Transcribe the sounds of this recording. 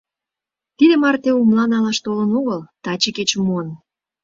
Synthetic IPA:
t̪id̪emɑrt̪eumlɑnɑlɑʃt̪olə̆noɣəlt̪ɑt͡ɕeket͡ɕmuən

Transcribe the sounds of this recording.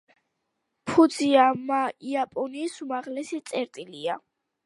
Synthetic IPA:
pʰud̪ziamaiapʼɔniːsumaʁlɛsit̪sʼɛɾt̪ʼilia

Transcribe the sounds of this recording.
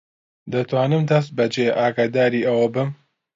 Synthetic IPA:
d̪ɐt̪waːnɨmd̪ɐs̬t̪̚bɐd͡ʒeːʔaːɡaːd̪aːɾiːʔɐwɐbɨm

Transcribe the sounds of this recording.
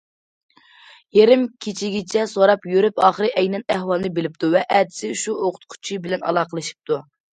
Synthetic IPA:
jeɾɪmkʲʰet͡ʃʰiɡʲɪt͡ʃʰɛsoɾɑpjøɾypɑːχəɾɨʔɛjnɛnɛhwɑlˠnɨbelɪp̚t̪ʰuvɛʔɛd̪ɪ̥sɪʃuʔoqʰʊ̥t̪̚qʰʊ̥t͡ʃʰibɪlɛnɑ̰lˠɑːqəlˠɨʃi̥p̚t̪ʰu

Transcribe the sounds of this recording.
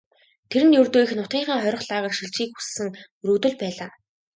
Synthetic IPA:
t̪ʰeɾɘ̆njɵrt̪oːixnʊt̪̚ɢiːɴχəːŋχœɾʲɞ̆χɮaːʁə̆rʃiɬt͡ɕxiːkxussɘ̆ŋ | rɵːt̪ɵ̆ɮpæːɮaː

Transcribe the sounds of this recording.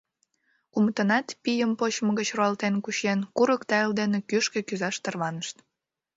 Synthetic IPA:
umt̪ənɑt̪pijəmpot͡ɕməɣət͡ɕroɑlt̪enkuɕenkuɾəkt̪ɑeld̪enekyʃkĕkyzɑʃt̪ərβɑnəʃt̪

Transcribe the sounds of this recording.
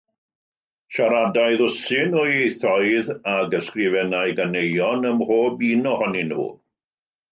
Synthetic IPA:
ʃaɾadajðʊsɪnɔejθɔɨðaɡəskrɪvɛnajɡanejɔnəmhoːbiːnɔhɔnɪnṵː

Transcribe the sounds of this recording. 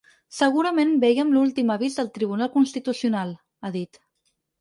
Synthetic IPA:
səɣ̞uɾəmenbɛjəmlulˠt̪iməβ̞izðəlˠt̪ɾiβunalˠkunst̪it̪usiunalˠ | aðit̪

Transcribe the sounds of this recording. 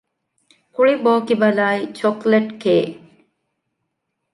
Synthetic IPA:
kuɭiboːkibɐlaːit͡ʃokleʈkeː

